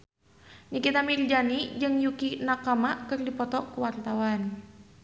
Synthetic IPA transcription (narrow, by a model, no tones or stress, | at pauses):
ɲikit̪amild͡ʒanid͡ʒɨŋjukinakamakɨrdipɔt̪ɔkuwart̪awan